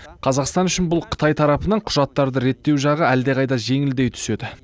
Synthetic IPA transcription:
qʰɑzɑqst̪ɑnʏʃɪnbʊlˠqʰə̥t̪ɑjt̪ʰɑɾɑpənɑɴqʰʊʒɑt̪ːɑɾd̪əɾe̞t̪ːe̞wʒɑʁəæld̪e̞qɑjd̪ɑʒe̞ŋɪld̪e̞jt̪ʰʏ̥se̞d̪ɪ

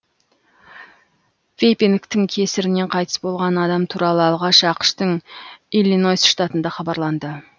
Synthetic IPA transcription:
vʲejpiŋkt̪ɪŋkʲʰe̞sɪɾɪne̞ɴqʰɑjt̪ə̥sbo̞lˠʁɑnɑd̪ɑmt̪ʰuɾɑlˠəɑlˠʁɑʃɑqə̥ʃt̪əŋilino̞jsʃt̪at̪ənd̪ɑχɑbɑɾlˠɑnd̪ə

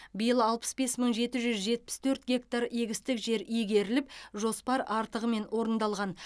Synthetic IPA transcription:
bijəlˠəɑlˠpə̥sbe̞sməɴʒe̞t̪ɪʒʏzʒe̞t̪̚pɪ̥st̪ʰɵɾt̪ɡʲe̞kt̪aɾeɡʲɪst̪ɪkʒe̞ɾijɡʲe̞ɾɪlɪpʒo̞spɑɾɑɾt̪əʁəme̞nwʔo̞ɾənd̪ɑlˠʁɑn

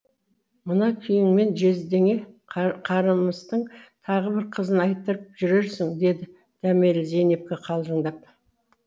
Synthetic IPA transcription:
mənɑkʲʰʏjɪŋme̞nʒe̞zd̪e̞ŋe̞qʰɑɾəməst̪əɴt̪ʰɑʁəbɪɾqʰəzənɑjt̪ːəɾəp̚ʒʏɾe̞ɾsɪŋd̪e̞d̪ɪ | d̪̥æmelze̞nep̚kʲeqʰɑlˠʒəɴd̪ɑp̚

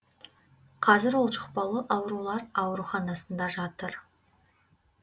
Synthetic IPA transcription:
qʰɑzɪɾwo̞lˠʃə̥qpɑlˠəʔɑwɾulˠɑɾɑwɾuχɑnɑsənd̪ɑʒɑt̪əɾ

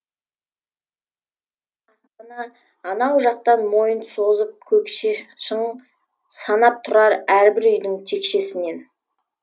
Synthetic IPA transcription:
ɑsqənɑː | nɑwʒɑq̚t̪ɑnmo̞jənsozəp̚kʲʰɵkʃʃəɴ | sɑnɑp̚t̪ʰʊɾɑɾæɾbɪɾʏjd̪ɪŋt̪ʰe̞kʃe̞sɪne̞n

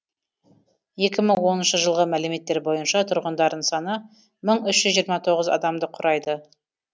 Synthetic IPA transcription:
je̞kʲɪməŋwo̞nənʃəʒəlˠʁəmæleme̞t̪ːe̞ɾbo̞jənʃɑt̪ʰʊɾʁənd̪ɑɾd̪əɴsɑnə | məɴʏʃʒ̥ʏzːʒijəɾmɑt̪ʰo̞ʁəzɑ̰d̪ɑmd̪əqʰʊɾʔɑjd̪ə

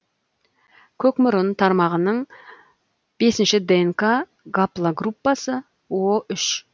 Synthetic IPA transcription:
kʲʰɵkmʊɾənt̪ʰɑɾmɑʁənəɴ | b̥e̞sɪnʃɪd̪eŋka | ɡaplˠaɡrupːɑsə | woʔʏʃ

